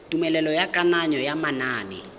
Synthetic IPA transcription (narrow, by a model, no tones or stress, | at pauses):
tʼumɛlɛlɔjakʼanaɲɔjamanaːnɪ̰